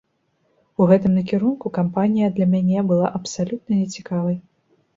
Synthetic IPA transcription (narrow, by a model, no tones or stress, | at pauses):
uɣɛt̪ɨmnɐkʲɛɾunkukampanʲijɐd̪lʲɐmʲanʲɛbɨlˠa̰ʔɐpsalʲut̪̚nɐnʲɛt͡sʲikavɐj